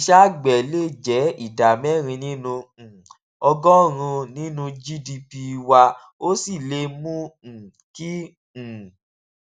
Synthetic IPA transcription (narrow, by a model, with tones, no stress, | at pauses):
i˧ʃa˦ɡ͡bɛ˨le˦˨d͡ʒɛ˨˦i˦˨da˨mɛ˦˨ɾ̃ĩ˧nĩ˦nũ˧˨ | ɔ˧ɡɔ˦˨ɾ̃ũ˧nĩ˦nũ˧d͡ʒi˦di˧pi˧wa˧ | o˦si˦˨le˧mũ˦˨ | kĩ˦˨